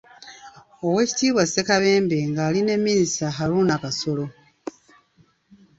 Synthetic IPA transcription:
owe̞ːci̥tiːβwase̞kaβe̞ːmbe̞ŋɡaːline̞mːinisaɦaɾuːnakaso̞lo̞

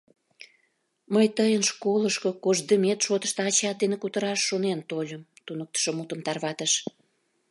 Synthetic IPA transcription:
məjt̪əjənʃkoləʃkokoʒd̪əmʲet̪ʃot̪ə̥ʃt̪ɑt͡ɕɑt̪̚d̪enekut̪əɾɑʃːonent̪olʲəm | t̪unək̚t̪ə̥ʃomut̪əmt̪ɑrβɑt̪əʃ

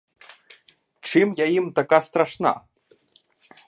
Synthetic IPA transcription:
ʈ͡ʂimjaimt̪akast̪raʂna̰

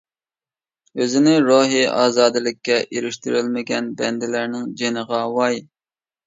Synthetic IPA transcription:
øzɪnɪɾoɦiɑ̰ːzɑːd̪ɨlɪkʲːɛʔeɾɪʃt̪yɾɪlmɪɡʲɛnbɛnd̪ɪlæɾnɪŋd͡ʒenəʁɑwɑj

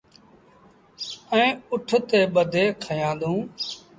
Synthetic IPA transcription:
ɛ̃ːʊʈʰt̪eːɓəd̪ʱeːkʰəjãːnd̪ũː

